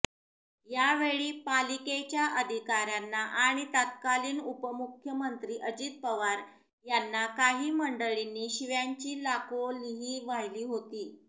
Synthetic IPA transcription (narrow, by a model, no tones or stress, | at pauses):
jaʋeɭiːpaliket͡ɕjaʔəd̪ʱikaɾjanːaʔaɽ̃it̪at̪̚kaliːnupəmukʰjəmənt̪ɾiːʔəd͡ʑiːt̪̚pəʋaɾ | janːakaɦiːməɳɖəɭinːiːɕiʋjaɲt͡ɕiːlakoliɦiːʋajliːɦot̪iː